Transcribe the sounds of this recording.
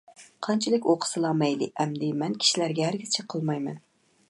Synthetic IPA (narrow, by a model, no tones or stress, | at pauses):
qʰɑnt͡ʃʰɪlɪkʲoqʰə̥sɨlˠɑmɛjlɪʔæmd̪ɪmɛnkʲʰi̥ʃilæɾɡʲɛhæɾɡʲiz̥t͡ʃʰɛqʰəlˠmɑjmɛ̰n